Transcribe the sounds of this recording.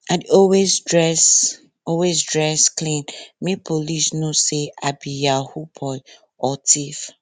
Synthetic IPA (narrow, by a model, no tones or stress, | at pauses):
adɔwesdɹɛs | ɔwesdɹɛsklĩnmepʰolisnoseabijahupʰɔj | ɔtʰif